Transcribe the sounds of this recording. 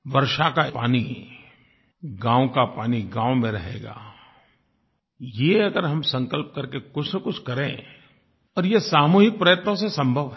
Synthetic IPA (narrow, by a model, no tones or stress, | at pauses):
ʋɐɾʃakapaːni | ɡãːõkapaːniɡãːwmẽɾɐɦḛːɡa̰ː | jeɐɡəɾɦɐmsɐ̃ŋkəlp̚kɐɾkekʊt͡ʃʰsekʊt͡ʃʰkɐɾḛ̃ː | ɔːɾjesaːmuːɦɪk̚pɾɐjət̪nõsesɐ̃mbʱəʋɦ